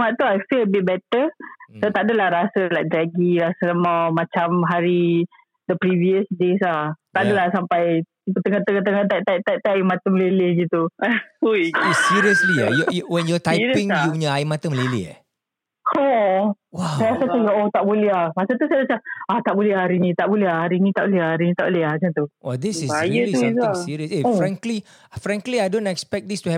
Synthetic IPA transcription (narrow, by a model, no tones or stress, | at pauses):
maʔt̪uajfiləbit̪̚bɛt̪əsot̪aʔdəlahɾasəlajk̚dɾaɡiɾasələmamãt͡ʃamɦaɾi | d̪əpɾiviəsdesat̪aʔdəlahsampaj | ipət̪əŋat̪əŋat̪əŋat̪at̪ajt̪at̪ajmat̪əməlelɛɡit̪u | siɹiəslia̰jɔjwɛnjɔt̪ajĩŋjuɲəaimat̪əməlelḛ | ɔ | asajasat̪ujaot̪aʔboleahmasat̪usajaat͡ʃaaht̪aʔbolɛhaɾinĩt̪aʔboleahaɾinĩt̪aʔboleahaɾinĩt̪aʔboleɦahd͡ʒant̪uwɛd̪isisjəĩsiɹiəsefɹɛ̃ŋkli | fɹɛ̃ŋkliajdõnɛkspɛk̚d̪istuɛ